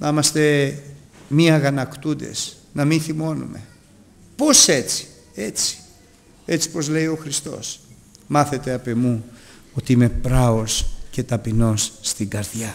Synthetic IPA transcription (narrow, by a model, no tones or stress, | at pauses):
nɐmɐst̪e̞ | miɐɣɐnɐkt̪ud̪e̞̰s | nɐminθimo̞nṵme̞̰ | po̞se̞t͡si̥ | e̞t͡si̥ | e̞t͡si̥po̞zle̞io̞xɾist̪o̞̰s | mɐθe̞t̪e̞ɐpe̞mu | o̞t̪iime̞pɾɐosce̞t̪ɐpino̞sːt̪iŋɡɐɾðʝɐ